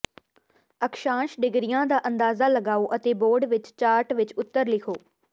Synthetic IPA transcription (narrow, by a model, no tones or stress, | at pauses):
əkʃãːʃɖɪɡɾɪjãːd̪aːʔənd̪aːzaːləɡaːoːʔət̪eːboːɖʋɪt͡ʃt͡ʃaːɾʈʋɪt͡ʃʊt̪ːəɾlɪkʰoː